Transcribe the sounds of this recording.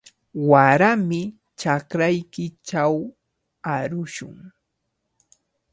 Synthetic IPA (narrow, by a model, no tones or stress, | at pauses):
waɾamɪ | t͡ʃakɾajkɪt͡ʃaw | aɾʊʃʊ̰ŋ